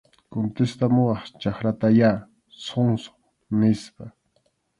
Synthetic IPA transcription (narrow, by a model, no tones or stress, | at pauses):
kont̪est̪amʊɑχt͡ʃaχɾat̪aja | soŋso̥ | nɪspa